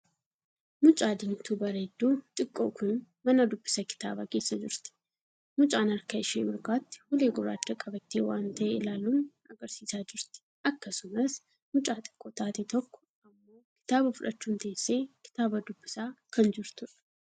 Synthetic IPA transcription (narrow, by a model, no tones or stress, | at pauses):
mʊt͡ʃʼaːd̪ɪnt̪uːbɐɾed̪ːuːt̪ʼɪkʼːoːkʊn | mɐnɐd̪ʊbːɪsɐkɪ̥t̪a̰ːbɐke̞ːsːɐd͡ʒɪɾt̪ɪ̥ | mʊt͡ʃʼaːnɐɾkɐɪʃḛːmɪɾkaːt̪ːɪ̥hʊleːɡʊɾa̰ːd̪ːɐkʼɐbɐt̪ːeːwa̰ːnt̪ɐʔeːɪlaːluːn | ɐɡɐɾsiːsaːd͡ʒɪɾt̪ɪ̥ʔɐkːɐsʊmɐs | mʊt͡ʃʼaːt̪ʼɪ̥kʼːoːt̪aːt̪et̪ɔkːɔ̥ | ɐmːoːkɪ̥t̪aːbɐfʊᶑɐt͡ʃːuːnt̪ɐʔesːe̞ːkɪ̥t̪aːbɐd̪ʊbːɪsaːkʰɐnd͡ʒɪɾt̪ʊᶑɐ̥